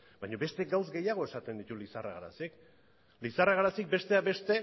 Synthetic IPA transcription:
bajɲo̞βe̞st̪e̞ɡawzɡe̞jaɣ̞o̞e̞sat̪e̞nd̪it̪ulisara̰ɣaɾa̰sik | lisaraɣaɾasik̚be̞st̪eaβe̞st̪e̞

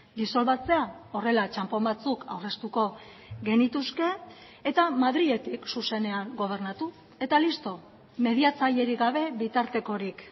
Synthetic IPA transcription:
d̪iso̞lβat͡se̞ao̞re̞lat͡ʃampo̞mbat͡sukʰawre̞st̪uko̞ | ɡe̞nit̪uske̞ː | t̪amaðɾiɣe̞t̪iksuse̞ne̞aŋɡo̞β̞e̞ɾnat̪u | e̞t̪alist̪o̞ | me̞ðiat͡saje̞ɾiɣaβ̞e̞βit̪aɾt̪e̞ko̞ɾik

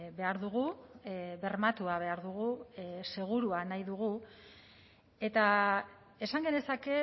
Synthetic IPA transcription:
βe̞aɾðuɣ̞u | βe̞rmat̪uaβ̞e̞aɾðuɣ̞use̞ɣ̞uɾuanajðuɣ̞u | e̞t̪a | e̞saŋɡe̞ne̞sake̞

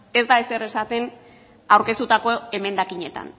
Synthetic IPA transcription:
e̞zd̪aese̞re̞sat̪e̞n | awɾke̞st̪ut̪ako̞e̞me̞nd̪akiɲe̞t̪a̰n

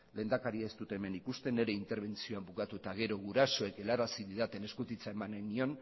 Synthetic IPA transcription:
le̞ːnd̪akaɾiaest̪ut̪e̞ːme̞nikust̪e̞ne̞ɾe̞int̪e̞ɾβ̞e̞nt͡sio̞ambukat̪ut̪aɣe̞ɾo̞ɣuɾaso̞e̞ke̞laɾasiðiðat̪e̞ne̞skut̪it͡sae̞mananio̞n

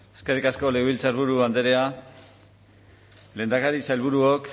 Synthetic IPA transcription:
eskerikasko̞leɣoβilt͡saɾβuɾuand̪e̞ɾe̞a | le̞nd̪akaɾisajlβuɾuok

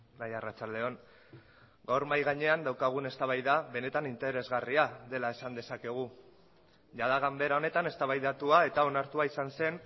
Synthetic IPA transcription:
majarat͡ʃald̪e̞o̞n | ɡawɾmajɣaɲe̞and̪awkaɣ̞une̞st̪aβajðaβe̞ne̞t̪anint̪e̞ɾe̞zɣariaðe̞lae̞sand̪e̞sake̞ɣ̞u | ʝaðaɣambe̞ɾao̞ne̞t̪ane̞st̪aβajðat̪uae̞t̪ao̞naɾt̪uaisanse̞n

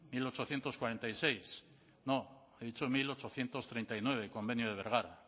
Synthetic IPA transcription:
milo̞t͡ʃo̞θje̞nt̪o̞skwaɾe̞nt̪ajse̞js | no | eðit͡ʃomilo̞t͡ʃo̞θje̞nt̪o̞st̪ɾejnt̪ajnwe̞β̞e̞ko̞mbe̞njoð̞e̞β̞e̞ɾɣaɾa̰

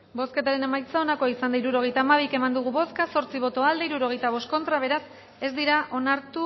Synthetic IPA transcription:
bo̞ske̞t̪aɾe̞ne̞majt͡saonakoaisand̪aiɾuɾo̞ɣ̞e̞jt̪aːmaβ̞ike̞mand̪uɣ̞uβo̞skaso̞ɾt͡siβ̞o̞t̪o̞ald̪eiɾuɾo̞ɣ̞e̞jt̪aβ̞o̞st̪ko̞nt̪ɾaβ̞e̞ɾas | e̞zd̪iɾaʔo̞naɾt̪u

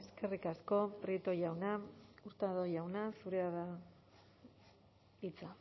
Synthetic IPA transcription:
e̞ske̞rikasko̞pɾit̪ojawnauɾt̪aðojawnasuɾeaða | it͡sa

